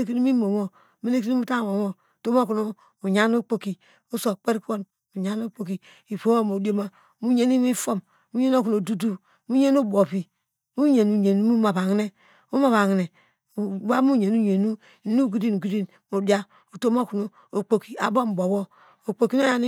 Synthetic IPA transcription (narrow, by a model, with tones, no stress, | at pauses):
e˦ki˦ni˦mi˦mo˨mo˦ | me˦le˦ki˦ni˦u˦ta˦ŋ˨mo˨mo˦˨to˦m˦o˦ku˨no˦ | u˨ɲa˨˦n˦o˦k͡po˦ki˨ | o˦so˨k͡pe˦ɾko˦n | u˨ɲa˦no˦k͡po˨ki˨ | i˨po˦o˦mo˨di˦o˦ma˨ | mu˦ɲe˦ni˦mi˦fo˦m | mu˦ɲe˦n˦o˦ku˨no˨du˦du˦ | mu˦ɲe˦no˦˨bo˨pi˨ | mu˦ɲe˨nu˨ɲe˨nu˦mu˦ma˨ba˨ŋ˦ne˦ | u˦ma˨βa˨ŋi˨ne˨ | wa˦mu˦ɲe˨nu˦ɲe˨nu˦˨˦ | nu˦˨ɡi˦di˦nu˨ɡi˦di˦n | mo˨di˦a˦ | u˨to˦mo˦ku˨no˨ | o˨k͡po˨ki˨a̰˨bo˦m̩˨bo˨wo˦ | o˨k͡po˨ki˦n˦o˦ja˦ni˦